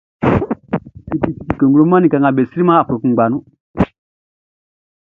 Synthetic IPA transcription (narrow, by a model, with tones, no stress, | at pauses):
i˨ti˨ti˨ti˨kə˨ŋɡu˦lo˦ma˦nĩ˨ka˨ŋa˨be˨si˦ɾi˦mã˦a˨fo˨ku˨ɡ͡ba˨nũ˦